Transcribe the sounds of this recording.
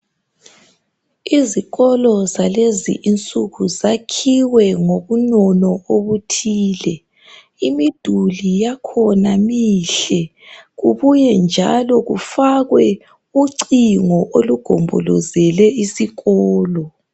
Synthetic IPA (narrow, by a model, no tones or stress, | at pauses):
iziɣɔlɔzalezḭʔint͡sʼuɣuzakʰiwɛŋoɣunɔnɔoβutʰiːlɛ | imid̥ʱulijakʰɔnamiɬɛ | ɣuβujɛnd͡ʒʱa̰lɔɣufaɣwɛ | uǀiŋɔʔoluɡ̥ʱɔ̰mbʱɔ̰lɔ̰zɛlɛisiɣɔːlɔ